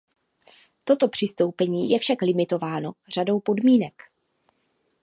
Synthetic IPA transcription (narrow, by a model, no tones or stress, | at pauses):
t̪o̞t̪o̞pr̝̥ɪst̪o̞wpɛɲiːjɛfʃaklɪmɪt̪o̞vaːno̞r̝ado̞wpo̞dmiːnɛk